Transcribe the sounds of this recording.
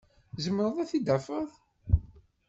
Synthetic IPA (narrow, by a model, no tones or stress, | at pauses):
zəmːəɾˤəðˤæθid̪æfəðˤ